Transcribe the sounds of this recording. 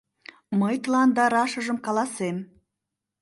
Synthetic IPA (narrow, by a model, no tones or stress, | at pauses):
məjt̪əlɑnd̪ɑɾɑʃə̆ʒəmkɑlɑsem